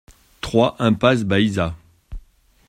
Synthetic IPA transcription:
t̪χwaʔɛ̃pas̬baiza

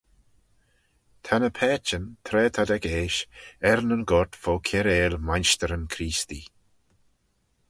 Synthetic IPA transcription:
t̪ʰanəpʰɛːt͡ʃənt̪ʰɾɛːt̪ʰad̪ɛkeːʃɛɾnənɡɔɹt̪foːkʰɛɾeːlmanʃt̪əɾənkʰɾiːst̪i

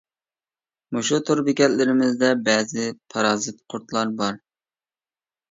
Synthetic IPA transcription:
muʃut̪ʰʊɾbɪkʲɛllɪɾɪmɪzd̪ɛbɛːzɪpʰɑɾɑːzɨt̪qʰʊɾt̪ʰlˠɑɾbɑɾ

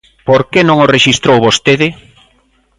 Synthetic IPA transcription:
poɾkenõŋoreʃist̪ɾowβost̪eðɪ

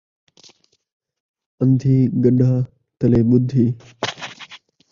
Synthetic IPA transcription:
ə̃nd̪ʱiːɡəɗaː | t̪əleːɓʊd̪ʱiː

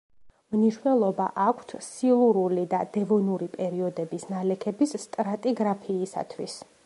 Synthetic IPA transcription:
mniʃnɛlˠɔba̰ʔakʷʰt̪ʰsilˠuɾulid̪ad̪̥ɛvɔnuɾipʼɛɾiɔd̪ɛbisnalɛkʰɛbisːt̪ʼɾat̪ʼiɡɾapʰiːsa̰t̪ʰwis

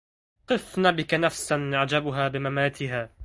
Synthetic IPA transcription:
qɨfnaːbɪkanafsanjaʕd͡ʒabʊɦaːbɪmamaːt̪ɪɦaː

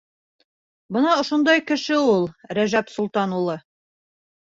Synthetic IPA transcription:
bɤ̆nɑŏʃond̪ɑjkɘ̆ʃɘulˠɾæʒæpsŭlˠt̪ɑnulˠɤ

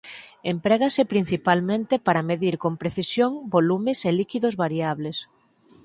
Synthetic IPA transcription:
empɾɛɣasepɾin̟θipalmẽnt̪epaɾameðiɾkompɾeθisjoŋbolumeselikiðozβaɾiaβ̞les

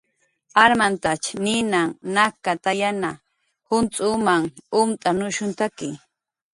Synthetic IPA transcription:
aɾmant̪at͡ʃnɪnaŋnakat̪ajana | hʊnt͡sʼʊmaŋʊmt̪ʼanʊʃʊnt̪akɪ

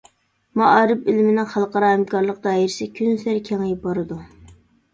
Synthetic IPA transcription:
mɑʔɑːɾɪpɪlɪmɪnɪŋχɑlˠqɑɾɑhæmkʰɑɾlˠəq̚d̪ɑːiɾɪsɪkʲʰynsæɾkʲʰɛŋjibɑɾɨd̪u

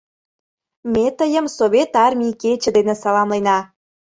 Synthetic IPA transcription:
met̪əjə̆msoβʲet̪ɑrmʲiket͡ɕĕd̪enĕsɑlɑmlenɑ

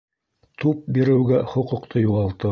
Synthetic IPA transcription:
t̪up̚biɾɘ̆wɡæχŏqŭqt̪ʰɤjuʁɑlˠt̪ɤ

